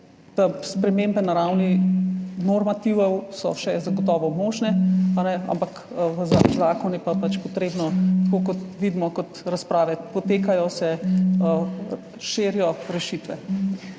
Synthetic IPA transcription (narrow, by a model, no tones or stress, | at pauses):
t̪əspɾɛmembɛnaɾawni | nɔɾmat̪iʋɔwsɔ̰ʃɛzaɡɔt̪ɔːʋɔmoːʒnɛanɛa̰mpak | ʋəzazaːkɔnjɛpapat͡ʃpɔt̪ɾeːbnɔt̪koːkɔt̪ʋid̪mɔkɔt̪ɾaspɾaːʋɛpɔt̪eːkajɔsɛ | ʃeːɾjɔɾɛʃit̪ʋɛ̰